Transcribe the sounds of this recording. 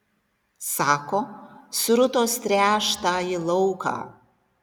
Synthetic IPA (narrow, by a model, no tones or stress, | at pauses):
sɑːkoːsʊɾʊt̪oːst̪ʲɾʲæːʃt̪aːɪlˠɐʊkɑ̰ː